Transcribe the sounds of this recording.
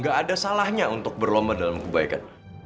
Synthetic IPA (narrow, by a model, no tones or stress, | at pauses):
ŋɡaʔːdasalahɲaunt̪ʊk̚bərlombadalamkəbaika̰n